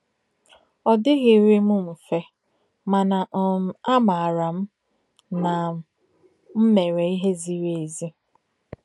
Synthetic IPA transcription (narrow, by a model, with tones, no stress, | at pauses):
ɔ˨dɪ˦ɣɪ˨ɾe˦mʊ˦m̩˨fe˦ | ma˨na˨ʔa˦ma˨a˨ɾa˨m̩˦ | na˨ | m̩˦me˨ɾe˨i˦ɦe˦zi˦ɾe˨zi˦